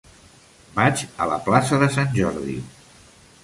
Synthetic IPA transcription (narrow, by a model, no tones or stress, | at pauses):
bat͡ʃələ̰plasəðəsanʲʒɔɾðḭ